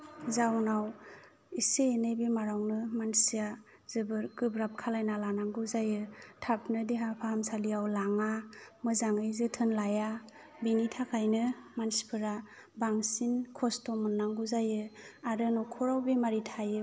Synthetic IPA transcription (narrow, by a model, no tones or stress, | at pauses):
zawnaw | iseːnɯjbimaɾawnɯmansija | zɯbɯɾɡɯbɾap̚kʰalajnalanaŋɡuzajɯtʰapnɯdeɦapʰaamsalijawlaŋamɯzaŋɯjzɯtʰɯnlaja | binitʰakʰajnɯmansi̥pʰɯɾa | baŋsinkʰɔstɔmɯnːaŋɡuzajɯaɾɯnɔkʰɔɾawbimaɾitʰajɯ